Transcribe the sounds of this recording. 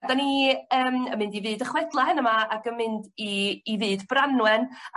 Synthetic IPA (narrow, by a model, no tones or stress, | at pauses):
daniəːmə̰mɪndivɨːdəχwɛdlˠaɦɪnəmaaɡəmɪndiːvɨːdbranwɛn